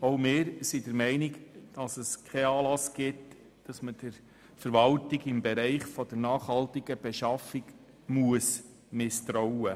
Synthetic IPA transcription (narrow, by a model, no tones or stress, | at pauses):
oʊmɪːɾsid̥əɾmɛɪniɡd̥ɑsəskʰɛɑːlɑsɡ̥ɪt | d̥ɑsməd̥əɾ | fəɾʋɑltɪɡɪmbɛɾɛɪχfɔd̥̪əɾnɑːχhɑltiɡ̥əb̥ɛʃɑfiɡ | muəs | mɪst̪ɾɔwə